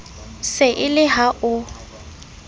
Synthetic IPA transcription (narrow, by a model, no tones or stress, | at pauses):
sɪʔɪlɪɦaʔʊ